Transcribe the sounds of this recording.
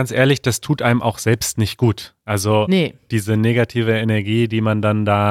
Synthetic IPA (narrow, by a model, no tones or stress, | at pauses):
ant͡sʔḛːɐlɪçd̥astʰuːtʔaɪnəmʔaʊxz̥ɛlpstnɪçt̚ɡ̥uːtʔalzonəd̥iːzəneːɡatʰiːvəenɛɐɡiːdiːmandandaː